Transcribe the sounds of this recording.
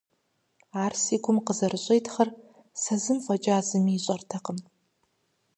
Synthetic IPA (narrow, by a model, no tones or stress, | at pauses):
aːrsiːɡʷʰʊmqəzɐrɨɕʼejtʰxɐr | sɐzɨmfʷʼɐt͡ʃʼaːzɨmiɪɕʼɐrtʰɐqəm